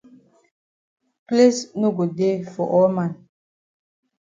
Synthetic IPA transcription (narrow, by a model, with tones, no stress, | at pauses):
pli˦sno˦ɡo˨de˦fɔ˨ʔɔ˦mã˨n